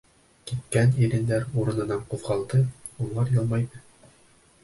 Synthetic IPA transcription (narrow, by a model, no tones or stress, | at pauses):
kit̪̚kæniɾɘ̆nd̪æɾuɾɤ̆nɤ̆nɑɴqufqɑlˠd̪ɤ | ulˠɑɾjɤ̆lˠmɑjnɤ